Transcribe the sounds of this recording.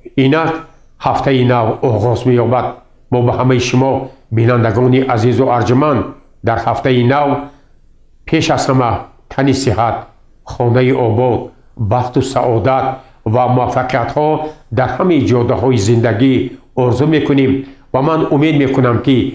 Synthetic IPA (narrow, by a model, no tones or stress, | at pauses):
inak | haft̪ʰainavɔʁɔzme̞jɔbad̪̚ | mɔbahamajiʃumɔbinand̪aɡɔniʔazizuʔaɾd͡ʒmand̪ | d̪aɾhaft̪ainav | pʰe̞ʃaz̥hamat̪ʰːanisihat̪̚ | χɔnaiʔɔbɔd̪ | baht̪usaʔɔd̪at̪̚ | vamuafːaqijat̪hɔd̪aɾhamaid͡ʒɔd̪ːaɦɔizĩnd̪aɡi | ɔɾzume̞kʰunemvamanume̞d̪me̞kʰunamki